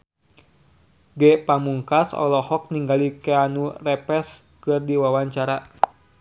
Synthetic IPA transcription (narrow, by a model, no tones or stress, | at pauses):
ɡɛpamuŋkasɔ̰lɔhɔk̚niŋɡalikɛanurɛpɛs | kɨrdiwawaɲt͡ʃaɾa